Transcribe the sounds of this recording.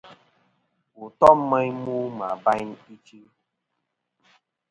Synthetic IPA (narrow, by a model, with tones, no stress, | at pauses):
u˨tɔ˦m˦mə˦ɲmu˦ma˨ba˦jni˦t͡ʃi˦